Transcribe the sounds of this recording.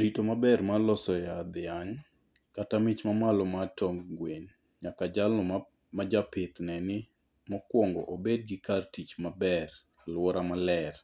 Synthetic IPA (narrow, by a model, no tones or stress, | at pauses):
ɾitomabɛrmalɔsɔjad̪ɪaŋ | katamɪt͡ʃmamalɔmatɔŋɡweɲ | ɲakad͡ʒalnɔ | mad͡ʒapɪt̪nɛnɪ | mɔkwɔŋɡɔ̰ʔobed̚ɡɪkartit͡ʃmabɛr | alwɔɾamalɛr